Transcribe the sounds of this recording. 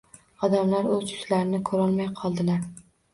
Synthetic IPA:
ɒd̪amlaɾɵzkʰʊ̥slaɾɪnɪkʰɵɾɒlˠmajqʰɒlˠd̪ɪlaɾ

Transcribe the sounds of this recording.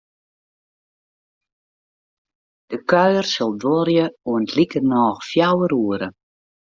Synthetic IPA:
d̥əkœɥərsɔlˠdɔrjəuəntlikərnɔːxfjawəɾuəɾə

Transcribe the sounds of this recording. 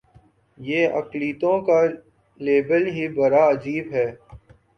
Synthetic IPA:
jeːɐ̰kliːt̪õka | leːbəlɦibɐɾaɐd͡ʒiːbɦɛː

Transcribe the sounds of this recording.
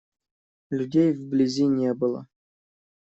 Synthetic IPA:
lʲudʲejvblʲizʲinʲebɨlˠə̰

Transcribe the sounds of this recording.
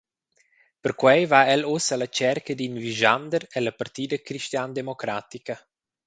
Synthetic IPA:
pəɾkwɛjvaɛlosələt͡ʃɛrkəd̪inviʒand̪əɾɛləpart̪iːd̪əkɾiʃtjand̪emokɾaːt̪ikə

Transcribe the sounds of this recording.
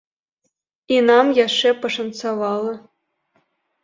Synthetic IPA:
inɑmjɑʂepɤ̆ʂɤ̆nsɑβɑlˠɤ̆

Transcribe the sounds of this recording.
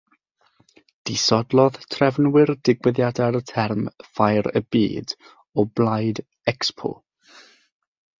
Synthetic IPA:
d̥isɔdlˠɔðtʰrɛvnwɪrdɪɡwɛðjadaɾətʰɛrmfajɾə̰bḭːd | ɔblˠajd | ɛkspʰo̰

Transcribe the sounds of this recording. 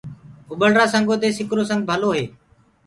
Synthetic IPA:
ʊɓəlɾaːsəŋɡoːt̪eːsɪkɾoːsə̃ŋɡ̚bʱəloːɦeː

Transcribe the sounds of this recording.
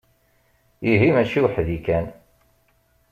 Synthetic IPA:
iɦimæt͡ʃiwħðikæn

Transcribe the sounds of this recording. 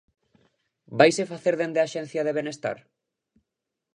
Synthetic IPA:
bajsefaθeɾðend̪eaʃɛ̃n̟θjaðeβ̞enest̪a̰ɾ

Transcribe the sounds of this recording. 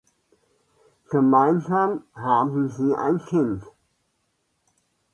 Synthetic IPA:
ɡ̥əmaɪnzaːmhaːbm̩ziːʔa̰ɪnkʰɪnt

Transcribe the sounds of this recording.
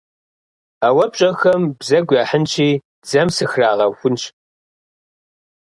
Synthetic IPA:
awɐpɕʼɐxɐmbzɐɡʷaħənt͡ʃʰiː | d͡zɐmsɨxraːʁɐxʷʊnɕ

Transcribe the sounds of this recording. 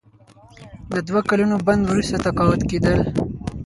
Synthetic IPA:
d̪əd̪wakalunoband̪wɾust̪at̪akɑwat̪ked̪əl

